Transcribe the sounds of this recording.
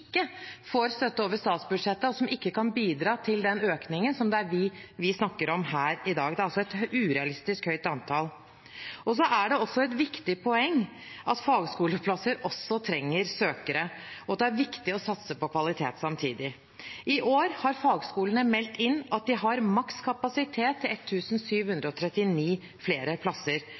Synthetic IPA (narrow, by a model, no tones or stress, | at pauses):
kːəfoːɾst̪œt̪ːəoːʋəʂst̪ɑːt̪sbʉd̪ʂɛt̪ːəɔsɔmɪkːəkɑnbiːd̪ɾɑːt̪ʰɪld̪ɛnøːknɪŋənsɔmd̪ɛæɾʋɪʋɪsnɑkːəɾɔmhæːɾɪd̪ɑːɡd̪ɛæɾɑlsɔɛt̪ʉːɾɛɑlɪst̪ɪskhœʏt̪ɑnt̪ʰɑl | ɔs̬ɔʔæɖɛɔsːɔɛt̪ʋɪkt̪ɪpʰɔɛŋː | ʔɑt̪fɑːɡskuːləpʰlɑsəɾʔɔsːɔt̪ʰɾɛŋːəɾsøːkəɾə | ɔɑt̪d̪ɛæɾʋɪkt̪ɪɔsɑt̪səpɔkʰʋɑlɪt̪ʰḛːt̪sɑmt̪ʰiːd̪ɪ | ʔɪʔoːɾhɑɾfɑːɡskuːlənəmɛlt̪ɪnːɑt̪̚d̪ɪɦɑɾmɑkskʰɑpɑsɪt̪ʰeːt̪ʰːɪlɛt̪ʰːʉːsn̩syːʋhʉnd̪ɾəɔt̪ʰɾɛt̪ːɪniː | fleːɾəpʰlɑsəɾ